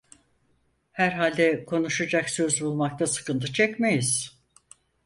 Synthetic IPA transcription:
hæɾɦalʲd̪ɛkʰo̞nuʃad͡ʒaksø̞zbulˠmak̚t̪ʰasɯ̥kɯnt̪ʰɯt͡ʃʰɛcmejiz̥

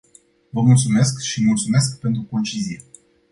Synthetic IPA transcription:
vəmult̪sume̞skʃimult̪sumeskpe̞nt̪ɾuko̞nt͡ʃizie

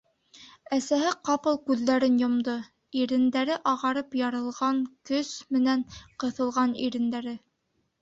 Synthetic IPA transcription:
æsæhɘqɑpɤlˠkʉðːæɾɘnjŏmd̪ɤ | iɾɘ̆nd̪æɾɘʔɑʁɑɾɤpjɑɾɤ̆lˠʁɑŋkɵsmɘ̆næŋqɤ̆θɤ̆lˠʁɑniɾɘ̆nd̪æɾɘ

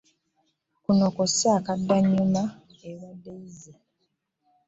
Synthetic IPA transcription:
kunokosaːkadːaɲuma | eβadːeize

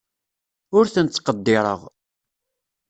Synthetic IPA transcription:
ʊɾθənt͡sːqəd̪ːɪɾˤə̰ʁ

